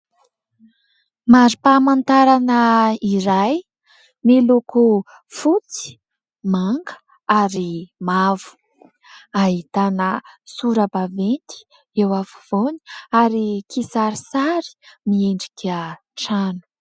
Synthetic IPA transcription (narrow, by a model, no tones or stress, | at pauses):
maɾipamant̪aɾanəiɾaj | meluku | fut͡si̥ | maŋɡə̥ | aɾimavu̥ | aɦit̪anəsuɾəbavent̪i̥ | ewafuv̥oni̥aɾikisaɾisaɾi̥mieɳɖ͡ʐikʲə | ʈ͡ʂanu̥